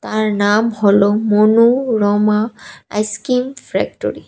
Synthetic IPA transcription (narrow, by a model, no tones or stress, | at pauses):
taɹnamhɔlɔmonuɹɔmaa̰jskimfpʰɹɛk̚to̰ɹi